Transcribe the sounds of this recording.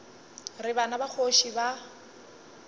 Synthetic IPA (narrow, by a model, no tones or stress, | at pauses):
rɪbanabak͡xʰoʃiba